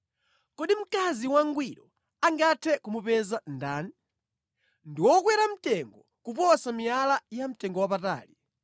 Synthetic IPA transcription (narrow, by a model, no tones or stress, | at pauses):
kɔɗim̩kaziwaŋɡwiɾɔ | aŋɡatʰɛkumupɛzandaːn | ndiwɔk̬wɛɾam̩tɛŋɡɔ | kupɔsamialajam̩tɛŋɡɔwapata̰ːli